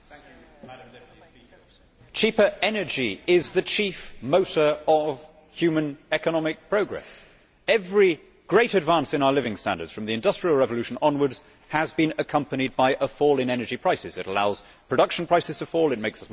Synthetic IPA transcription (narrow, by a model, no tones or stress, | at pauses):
t͡ʃʰiˑpə˞ʔɛnəd͡ʒiɪzðɨt͡ʃʰifmoʊɾə˞əv̥ | hjʉmɨ̃nɛkənɑmɪk̚pʰɹ̥oʊɡɹɛ̰s | ɛvɹi | ɡ̥ɹeɪɾɨdvɑ̃nsɨ̃naʊəlɪvɪ̃ŋstæ̰̃ndə̰˞dz̥fɹə̃mðiɨ̃ndʌstɹ̥ilˠɹɛvəlʉʃə̃nɑ̃nwə˞dz̥ | əzbɨ̃nəkʰʌ̃mpənid̚baɪʔəfɔlˠɨ̃nɛnəd͡ʒipʰɹ̥aɪsɪzɨɾəlaʊz̥ | pʰɹ̥ɨdʌkʃn̩pʰɹ̥aɪsɨz̥tʰəfɔlˠɨt̚meɪksʌs